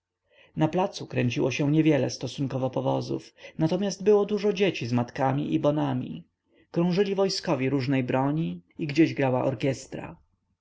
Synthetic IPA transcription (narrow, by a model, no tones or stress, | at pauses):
naplat̪sukɾɛɲt͡ɕiwɔɕɛ̃ɲɛvʲjɛlɛ̰st̪ɔsuŋkɔvɔpɔvɔzṵfnat̪ɔmʲasd̪̚bɘwɔd̪uʐɔd͡ʑet͡ɕizmat̪kamʲḭʔibɔnamʲḭ | kɾɔ̃ʐɘlʲivɔjskɔvʲiɾuʐnɛjbɾɔɲiiɡd͡ʑeʑɡɾawaʔɔɾkʲɛst̪ɾa̰